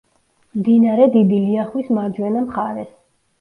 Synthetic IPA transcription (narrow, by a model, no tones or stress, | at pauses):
md̪inaɾɛd̪id̪iliaχwismad͡ʒwɛnamχaɾɛs